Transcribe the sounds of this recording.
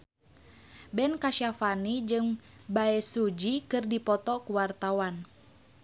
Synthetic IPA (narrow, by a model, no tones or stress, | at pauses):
bɛnkaʃafanid͡ʒɨŋbaɛsud͡ʒikɨrdipɔt̪ɔkuwart̪awan